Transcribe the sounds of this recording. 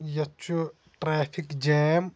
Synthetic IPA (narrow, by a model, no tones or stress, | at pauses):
jɐt͡ʃːu | ʈɾaːpʰikd͡ʒeːm